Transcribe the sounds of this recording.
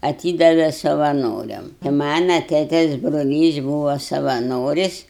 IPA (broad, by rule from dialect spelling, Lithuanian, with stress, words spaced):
ɐˈtʲiːdɐʋʲɛ sɐʋɐˈnoːrʲɛm ɪ ˈmɑːnɐ ˈtʲeːtʲeːs broːˈlʲiːs ˈbuːʋoː sɐʋɐˈnoːrʲɪsʲ